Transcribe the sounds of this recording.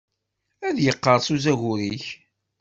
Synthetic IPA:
æðjəqːəɾˤsuzæʝʊɾiç

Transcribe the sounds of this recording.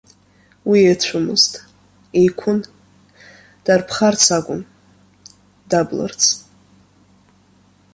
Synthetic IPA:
wiet͡ɕʷʰʊmɨ̰ztʼ | ejkʷʰʊn | d̥arpʰχart͡sʰaɡʷʼʊn | dablə̰rt͡sʰ

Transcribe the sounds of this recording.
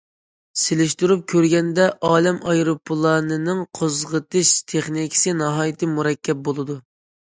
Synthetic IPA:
selɪʃt̪uɾup̚kʲʰøɾɡʲɛnd̪ɛʔɑːlɛmɑjɾopʰːlˠɑnɨnɨŋqʰozʁət̪ɨʃt̪ʰeχnikʲʰɪ̥sɨnɑɦɑːjɪt̪ʰɨmuɾɛkʲːɛp̚bolˠɨd̪u

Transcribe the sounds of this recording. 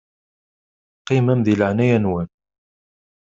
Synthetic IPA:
qimæmðiləʕnæjænwæn

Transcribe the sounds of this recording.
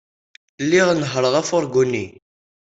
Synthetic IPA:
lːiʁnəɦɾˤəʁæfʊɾɡunːi

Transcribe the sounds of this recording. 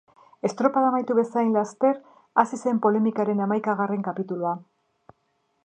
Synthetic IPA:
e̞st̪ɾo̞paðamajt̪uβe̞sajnlast̪e̞ɾ | asise̞mpo̞le̞mikaɾe̞namajkaɣ̞are̞ŋkapit̪ulua

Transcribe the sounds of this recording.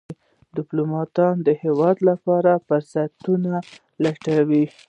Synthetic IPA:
d̪ɪplumɑt̪ɑnd̪əhewɑd̪lapɑɾafəɾsat̪una | laʈawi

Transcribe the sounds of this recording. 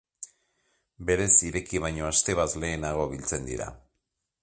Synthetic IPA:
be̞ɾe̞siɾe̞kiβ̞ajɲo̞ast̪e̞βazle̞ːnaɣ̞o̞βilt͡se̞nd̪ḭɾa̰

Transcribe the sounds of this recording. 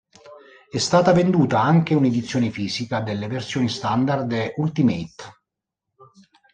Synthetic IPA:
ɛst̪aːt̪avend̪uːt̪aaŋk̟euned̪it̪sːjoːnefiːzikad̪elːeversjoːnist̪and̪ard̪ʔult̪imet̪

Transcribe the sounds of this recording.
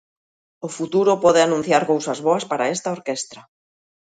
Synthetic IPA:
ʊfut̪uɾʊpɔðɪanũn̟θjaɾkowsazβoaspaɾaest̪aoɾkest̪ɾa

